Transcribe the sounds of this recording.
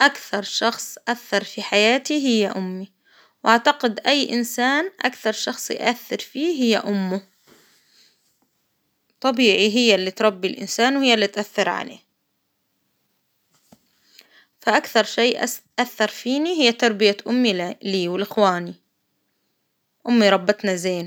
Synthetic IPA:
ʔakθɑɾˤʃɑxsˤʔaθːɑɾˤfiħajaːt̪iɦɪjːa̰ʔʊmːi | wʔaʕt̪ɑqɪd̪ʔajːʔɪ̰nsaːnʔa̰kθɑɾˤʃɑxsˤj̰ʔaθːɑɾfiːɦɪjːa̰ʔʊmːʊ | t̪ˤɑbiːʕiɦɪjːalːit̪ɾˤɑbːilʔɪ̰nsaːnwhɪjːalːit̪ʔaθːɪɾʕa̰lḛː | faʔakθɑɾˤʃeːʔʔaθːɑɾˤfiːniɦɪjːat̪ɑɾˤbɪjaʔʊmːiliːwɪlʔɪxwaːni | ʔʊmːiɾˤɑbːɪt̪nazeːn

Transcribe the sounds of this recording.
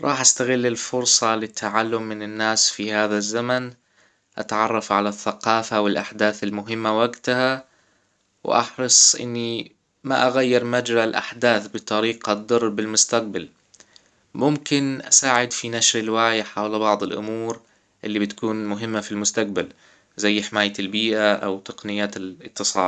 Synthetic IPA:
ɾˤʔɑːħʔast̪aɣɪlːɪlfʊɾsˤɑlɪt̪ʰːaʕalːʊmːɪnɪnːaːsfihaːðazːaman | ʔa̰t̪ʕɑrˤːɑfʕalaθːaqɑːfawɪlʔaħd̪aːθɪlmʊɦɪmːawaɡt̪aha | wʔɑ̰ħɾɨsˤʔɪ̰nːi | maʔaɣajːɪɾmad͡ʒɾaɪlʔa̰ħd̪aːθbɨt̪ˤɑɾiːqad̪ˤːɑrˤːbɪlmʊst̪aq̚bal | mʊmkɪnʔasaːʕɪd̪finaʃɾɪlwaʕjaħawlabɑʕd̪ˤɪlʔʊ̰muːɾ | ʔɪlːibɪt̪ḁkuːnmʊɦɪmːafilmʊst̪aq̚bal | zajːħɪmaːjːalbiːʔaʔawt̪ɑ̥qnɪjːaːt̪ɪlɪt̪ːɨsˤɑ̰ːl

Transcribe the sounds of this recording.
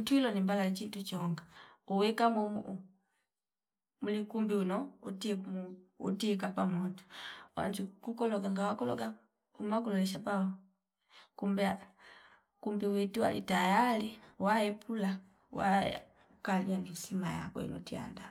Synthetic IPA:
utuilɔnimbalalt͡ʃitut͡ʃɔŋɡauwɛkamuu | mulikumbiunɔutimuṵtik̬apamɔtu̥wa̰nd͡ʒukukɔlɔɡaŋɡawakɔlɔ̰ɡa | umak̬ulɔlɛʃ̬apaɔ | kumbɛa | kumbiwɛtuwa̰lʔḭtajaliwaɛpʰula | wa̰ | kaliandisimaja̰kwɛ̰ḭnɔ̰tia̰nda

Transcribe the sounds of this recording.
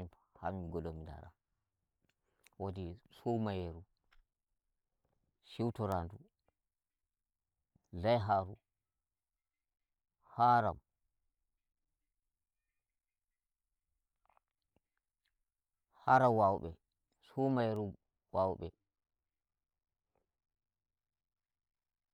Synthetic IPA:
mpaha̰miɡɔlomida̰ɾa̰ | wodisumajeɾu | ʃiwtɔɾandu | zajɦaɾu | haɾa̰m | haɾawawɓɛ | sumajeɾu | wawɓɛ̰

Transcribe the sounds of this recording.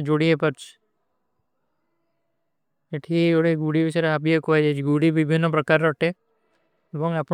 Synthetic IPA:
d͡ʒoɽiepɔɾt͡ʃʰi̥ | eʈʰioɽeɡuɽibisɔjɾeabiekɔad͡ʒajt͡ʃʰiɡuɽibibʱinːɔpɾɔkaɾːɔʈe | ebɔŋap

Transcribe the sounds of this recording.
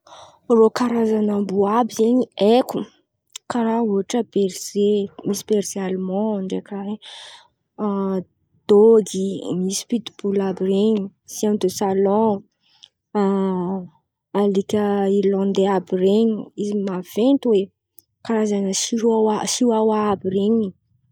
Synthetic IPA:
rokaɾazanambuabizeɲieku | kaɾauaʈ͡ʂəb̥eɾz̥emisi̥b̥eɾz̥ealumɔ̃ɳɖ͡ʐekae | d̪̥oɡimisi̥pit̪ub̥ulabireɲusiamd̪osalɔ̃ | alikʲəilɔ̃nd̪eabireɲiizimav̥ent̪uwe | kaɾazanəsiaasiwawabireɲi

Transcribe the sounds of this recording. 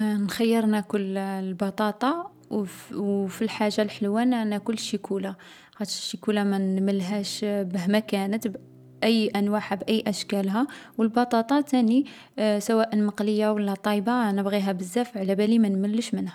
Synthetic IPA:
nxæjːəɾˤnækʊllbɑt̪ˤɑt̪ˤɑ | filħaʒːalħəlwænænækʊlːʃəkula | xæt̪ʃəkulamænməlɦæʃbəɦmækænət̪b | ʔəjːʔænwaħabʔæjːʔæʃkælɦæwəlbɑt̪ˤɑt̪ˤɑt̪æni | sæwæʔənmɑqləjːawəlːæt̪ˤɑjbanəbɣiɦæbəzːæfʕlæbælimænməlːəʃmənhæ

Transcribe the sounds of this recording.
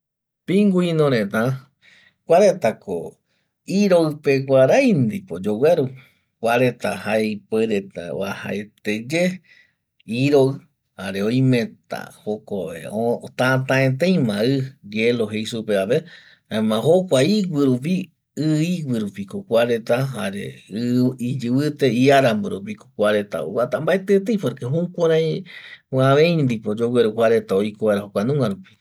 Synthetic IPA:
pĩŋɡuĩnõɾẽt̪ã | kʷaɾet̪ako̰ | iɾoɨpekʷaɾajnd̪ipod͡ʒoweɾu | kʷaɾet̪ahaeipeɾet̪a̰wa̰ha̰et̪ed͡ʒe | iɾo | haɾe̞ojmẽt̪a̰hokoḛot̪ãt̪ãẽt̪̬ẽj̃mãɨjeloɦejsupeaβe | haemãɦokʷaiɡʷɨɾup̬i | ɨiɡʷɨɾupikokʷaɾet̪aɦaɾḛ | id͡ʒɨβɨt̪eiaɾamboɾup̬iko̥kʷaɾe̞t̪a̰ṵβat̪ambaet̪et̪̬ejpoɾkeɦũkʷaɾã | ãβẽj̪̃d̪ipod͡ʒoweɾukʷaɾet̪aojkoβaɾaɦokʷanũŋɡaɾupi̥

